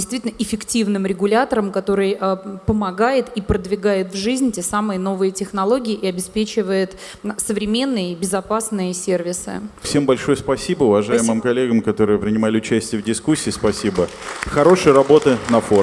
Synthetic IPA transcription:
ɪst̪vʲitʲlʲnəʔɪfʲɪktʲivnɨmɾʲɪɡʊlʲat̪əɾəmkɐt̪o̞ɾɨjəpəmɐɡajɪt̪ipɾəd̪vʲɪɡajɪt̪vʐɨzʲnʲtʲesamɨjəno̞vɨjətʲɪxnɐlˠo̞ɡʲɪɪʔɪɐbʲɪspʲet͡ɕɪvəjɪt̪ | səvɾʲɪmʲe̞nːɨjəbʲɪzɐpasnɨjəsʲervʲɪsɨ̰fsʲe̞mbɐlʲʂo̞jəspɐsʲibəʊvɐʐajɪmɨmkɐlʲːeɡəmkɐt̪o̞ɾɨjəpɾʲɪnʲɪmalʲɪʊt͡ɕæsʲtʲɪjəvdʲɪskusʲːiːspɐsʲibə | xɐɾo̞ʂɨjəɾɐbo̞t̪ɨnɐfo

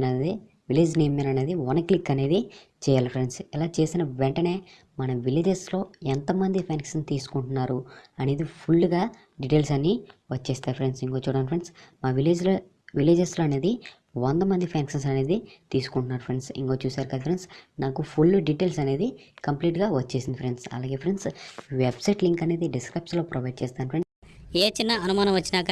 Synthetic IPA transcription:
ɐd̪i | ʋileːd͡ʒne̞ːmːenɐne̞ːd̪iʋɐnɐklikːɐne̞ːd̪i | t͡ʃɛːjaːlɐpʰɾe̞ɳɖsɛlaːt͡ʃe̞ːsinɐʋeɳʈɐne̞ː | mɐnɐʋileːd͡ʒeslo̞ːɛnt̪ɐmɐnd̪ipʰaːnksɐnt̪iːsu̥kuɳʈunːaːɾuɐneːd̪ipʰulːɡaː | ɖiʈe̞ːlsɐnːiʋɐt͡ʃːeːst̪aːɾpʰɾeɳɖsiŋkoːt͡ʃuːɽɐnpɾeɳɖsmaːʋileːd͡ʒlo | ʋileːd͡ʒesloːɐne̞ːd̪i | ʋɐnd̪ɐmɐnd̪ipʰaːnksɐns̬ɐne̞ːd̪it̪iːsu̥kuɳʈunːaːɾupʰɾe̞ɳɖsḭŋko̞ːt͡ʃuːsaːɾukɐd̪ɐpʰɾeɳɖsnaːkupʰulːɖiʈeːlsɐne̞ːd̪i | kɐmpliːʈɡaːʋɐt͡ʃːe̞ːsind̪ipʰɾe̞ɳɖsɐ̰laːɡe̞ːpʰɾeɳɖsʋebsɐjʈliŋkɐneːd̪iɖiskɾɐjp̚slo̞ːpɾɐʋɐjɖ̚t͡ʃɛːst̪aːnpɾeɳɖseːt͡ʃinːɐɐnumaːnɐ̃mʋɐt͡ʃːinaːk

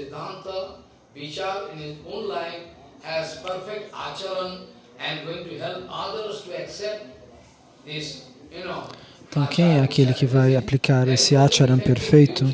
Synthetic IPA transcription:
ɪd̪ãnt̪ə | ʋit͡ʃaɾɪ̃nhɪzõːnlaɪf | hɛzpəɾfek̚ʈa̰t͡ʃaɾə̃n | ɛ̃nɡõĩŋʈuɦɛlpad̪əɾsʈuɛksɛp̚ʈ | d̪ɪs | junoẽt̪ɐ̃w̃kʰẽj̃ɛakʰelɪkɪvajaplikʰaɾesɪat͡ʃaɾɐ̃mpeɾfejt̪ʊ

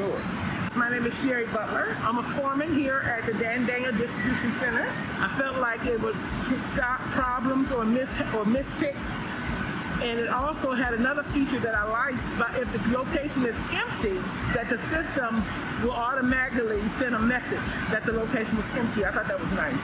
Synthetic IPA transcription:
maɪnẽɪ̃mɨz̥ʃɛɹibʌʔˡlə˞ãɪ̃məfɔɹmɪ̃ŋɦiɹʔɨt̪̚ðɨdæ̃ndẽɪ̃ŋɨdɪstɹ̥ɨbjʉʃɨ̃n̩sɛ̃ñə˞ | ʔaɪfɛlˠtˡlaɪkɪt̚wʌz̥ | pʰɪksɡɑpʰɹ̥ɑblə̃mzə˞mɪsə˞mɪsfʰɪks | ɨ̃nɨɾɔlˠsoʊɨɾɨnʌðə˞fit͡ʃə˞ðɨɾaɪlaɪk̚b̥ʌɾʔɪfðɨloʊkʰeɪʃɨ̃nɨz̥ɛ̃mp̚tɪ | ðɨt̪̚ðɨsɪstə̃m | wəlˠɔɾəmæɾɨklisɛ̃nəmɛsɨd̥d͡ʒ | ðɨt̪̚ðɨloʊkʰeɪʃn̩wʌzɛ̃mp̚tiaɪθɔt̪̚ðɨt̚wʌznãɪs

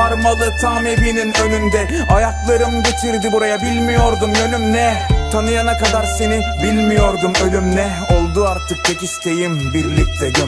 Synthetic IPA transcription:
aɾmalˠɯt̪ʰamebininø̞nymd̪ɛ | ajaklˠaɾɯmɟet̪ʰiɾd̪ibuɾajabilʲmijo̞ɾd̪umø̞lymnɛt̪ʰanɯjanakad̪aɾse̞nibilʲmijo̞ɾd̪umølʲymnɛ | o̞lˠd̪uaɾt̪ʰɯk̚t͡ʃʰekist̪ʰe̞jimbiɾlʲic̚t̪ʰɛd̪i

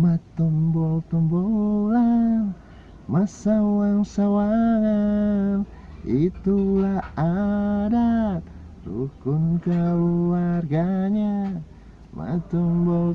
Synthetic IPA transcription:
mat̪ɔmbɔlt̪ɔmbɔlan | masauaŋsawaŋan | it̪ulaadat̪ | dṵkunkaluarɡaɲa | ma̰t̪ɔmbɔl

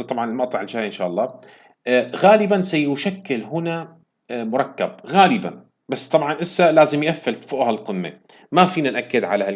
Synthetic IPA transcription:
t̪ˤɑbʕɑnɪlmɑʔt̪ˤɑʕɪld͡ʒaːjʔɪnʃaːʔɑlˤːɑː | ɣaːlɪbansajʊʃakːɪlɦʊna | mʊɾˤɑkːab̚ɣaːlɪba̰n | basːt̪ˤɑbʕɑnʔɪsːalaːzɪmjʔafːɪlt̪fʊʔhalqɪmːḛ | mafiːnanʔakːɪd̪ʕa̰laha

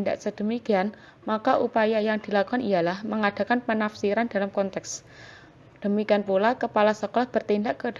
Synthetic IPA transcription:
daʔsəd̪̥ə̤mikian | makaʔupajajaŋd̪̥i̤lakɔnijalahməŋad̥a̤kanpənafsiɾanda̤lamkɔnt̪ɛks | d̪̥ə̤mikianpulakəpalasɔkɔlɔhb̥ərt̪indaʔkəd

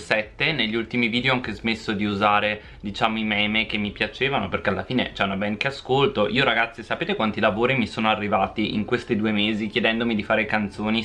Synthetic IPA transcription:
sɛt̪ːeneʎːiult̪imiviːd̪eoaŋkezmesːod̪iuzaːɾe | d̪it͡ʃaːmoimɛːmekemːipjat͡ʃeːvanoperkealːafiːnḛt͡ʃɛunabɛnkeaskolt̪oʔiːoɾaɡat̪sːisapeːt̪ekwant̪ilavoːɾimisoːnoarːivaːt̪iʔḭŋkwest̪id̪uːemeːzikjed̪ɛnd̪omid̪ifaːɾekant̪soːni

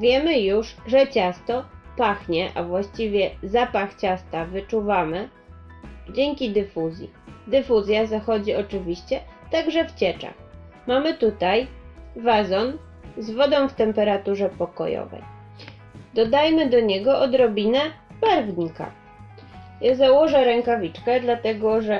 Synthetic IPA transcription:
vʲjɛmɘjuʐʐɛt͡ɕast̪ɔpaxɲɛʔa̰vwaɕt͡ɕivʲjɛzapaxt͡ɕast̪avɘt͡ʂuvamɘ | d͡ʑɛŋkʲid̪ɘfuzʲjḭ | d̪ɘfuzʲjazaxɔd͡ʑiɔt͡ʂɘvʲiɕt͡ɕɛt̪aɡʐɛft͡ɕɛt͡ʂa̰x | mamɘt̪ut̪ajvazɔn | zvɔd̪ɔ̃w̃ft̪ɛmpɛɾat̪uʐɛpɔkɔ̰jɔ̰vɛ̰j | d̪ɔd̪ajmɘd̪ɔɲɛɡɔʔɔd̪ɾɔbʲinɛbaɾvɲika̰ | jazawɔʐɛɾɛŋkavʲit͡ʂkɛd̪lat̪ɛɡɔʐɛ

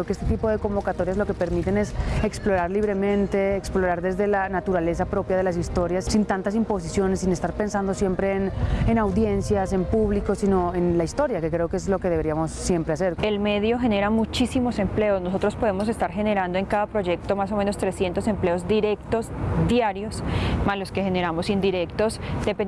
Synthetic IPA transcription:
okeest̪et̪ipo̞ð̞e̞ko̞mbo̞kat̪o̞ɾjazlo̞ke̞pe̞ɾmit̪e̞ne̞seksplo̞ɾaɾliβ̞ɾe̞mẽnt̪e̞ːksplo̞ɾaɾd̪e̞zðelanat̪uɾale̞sapɾo̞pjaðelas̬ist̪o̞ɾjassint̪ant̪as̬impo̞s̬isjo̞nesːinest̪aɾpe̞nsand̪o̞sje̞mpɾe̞ːnenawðje̞nsjase̞mpuβliko̞sinoenlaist̪o̞ɾjakekɾe̞okeezlo̞ke̞ðeβeɾiamo̞sːje̞mpɾease̞ɾelme̞ðjo̞xe̞ne̞ɾamut͡ʃisimo̞se̞mple̞osno̞s̬o̞t̪ɾo̞spo̞ð̞e̞mo̞s̬e̞st̪aɾxene̞ɾand̪o̞e̞ŋkaðapɾo̞ʝe̞k̚t̪o̞maso̞mẽ̞no̞st̪ɾe̞sje̞nt̪ose̞mple̞ozd̪iɾe̞kt̪o̞zd̪jaɾjo̞smalo̞ske̞xene̞ɾamo̞sind̪iɾe̞kt̪o̞sd̪̥epe

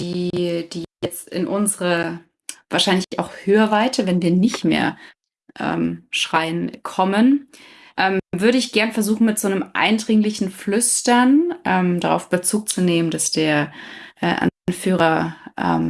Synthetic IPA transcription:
d̥iːd̥iːjɛt͡stɪ̰nʔʊnzəʁə | vaːɐʃaɪnlɪçaʊxhøːɐvaɪtʰəvɛnviːɐnɪçtmḛːɐ | ʔɛ̰ːmʃʁ̥aɪənkʰɔmən | ʔɛːmvʏɐɾəɪçɡ̥ɛɐnfɛɐzuːχn̩mɪtz̥oːnəmʔa̰ɪndʁɪŋlɪçn̩flʏstɐnʔɛːmd̥aʁa̰ʊfb̥ət͡suːk̚t͡suneːməndasd̥eːɐʔɛ̰ːʔa̰nnfyːʁɐʔɛ̰ːm

